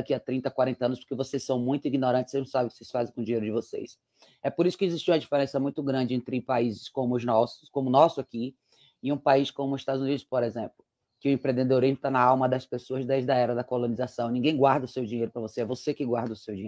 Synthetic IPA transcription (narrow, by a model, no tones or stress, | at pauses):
akiat̪ɾĩnt̪ɐkwaɾẽnt̪ɐɐ̃nʊspo̥ɾkevosejsːɐ̃w̃mũj̃t̪ʊiɡinoɾɐ̃t̪t͡ʃ̪ɪseʒnɐ̃w̃sabɪkɪ̥sesfazẽj̃kõd͡ʒĩɲejɾʊd͡ʒɪvosḛs | ɛpoɾisʊ̥kɪeziʃt͡ʃiũmɐd͡ʒifeɾẽsɐmũj̃t̪ʊɡɾɐ̃nd͡ʒɪẽnt̪ɾɪpaizɪskõmʊːznɔsʊkõmʊnɔsʊaki | ɪũpaiskõmʊɪst̪ad̪ʊzunid̪ʊspoɾezẽplʊ | kɪʊẽpɾẽd̪ed̪oɾizmʊt̪anɐawmɐd̪ɐspesoɐzd̪ɛzd̪ɐɛɾɐd̪ɐkolõnizasɐ̃w̃nĩɡẽj̃ɡwaɾd̪ɐʊsewd͡ʒĩɲejɾʊpɾɐvoseɛvosekɪɡwaɾd̪ɐʊsewd͡ʒiɲeʊ